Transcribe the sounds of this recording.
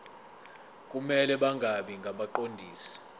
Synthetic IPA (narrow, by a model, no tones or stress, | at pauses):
k̬ʼumɛlɛɓaŋɡʱaɓiŋɡʱaɓaǃondʱiːsi̥